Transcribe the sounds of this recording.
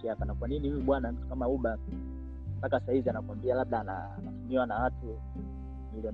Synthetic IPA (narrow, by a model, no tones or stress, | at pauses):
iapanakwaninihujuɓwanam̩tu̥kamauɓa | mpakasahivianakwambialaɓ̚ɗaːna̰ | a̰nafumiwanawatu | miliɔ